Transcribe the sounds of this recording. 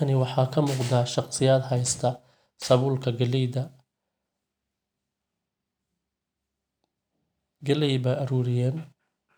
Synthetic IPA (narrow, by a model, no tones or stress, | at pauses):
ɐnɪwɑħɑːkʰɐmuːqd̪aːʃɑqsɪjaːd̪ɦɐjst̪ʰɐ | sɐβuːlkʰɐɡɐlɛd̪ɐ | ɡɐlɛjbɐʔɐɾuːɾɪjaːn